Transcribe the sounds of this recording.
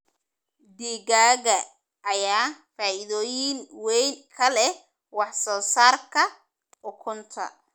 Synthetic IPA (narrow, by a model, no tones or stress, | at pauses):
d̪iːɣaːɣɐ | ʔːjaːfaːʔɪðɔːjɪnwɛjnkʰɐlɛ | wɑħsɔːsaːrkʰɐ | ʔʊkʰʊnt̪ʰɐ̰